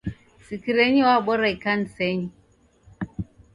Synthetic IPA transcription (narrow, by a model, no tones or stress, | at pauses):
sikiɾeɲiwaɓɔɾajkanseɲi